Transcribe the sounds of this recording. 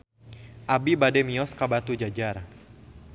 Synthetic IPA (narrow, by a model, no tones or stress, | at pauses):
ʔabibadɛmiɔskabat̪ud͡ʒad͡ʒar